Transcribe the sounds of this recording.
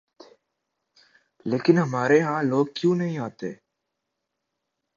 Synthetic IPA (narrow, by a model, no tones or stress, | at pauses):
leːkɪnɦɐmaːɾeɦãːloːɡ̚kjũːnɐɦĩaːt̪ḛː